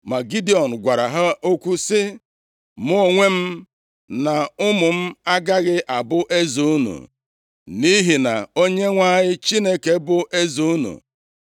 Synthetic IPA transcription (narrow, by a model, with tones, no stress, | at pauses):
ma˨ɡi˦di˦˨ɔ˨n̩˨ɡʷa˨ɾa˨ɦa˦o˦kʷu˦sɪ˦ | mʊ˦o˦˨ŋʷe˦m̩˦ | na˨ʊ˦mʊ˨m̩˦a˦ɡa˦ɣɪ˦ʔa˨bʊ˦ʔe˦zu˦nṵ˨ | ni˦ɦi˨na̰˨o˦ɲe˦ŋʷa˦ɲɪ˦t͡ʃi˦ne˦ke˨bʊ˦ʔe˦zu˦u˦nṵ˨